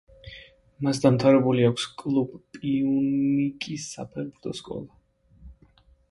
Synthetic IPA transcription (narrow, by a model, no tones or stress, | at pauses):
masd̪amt̪ʰavɾɛbuliakʷʰskʼlˠubpʼiunnikʼisːa̰pʰɛʁbuɾt̪ʰɔskʼɔ̰lˠa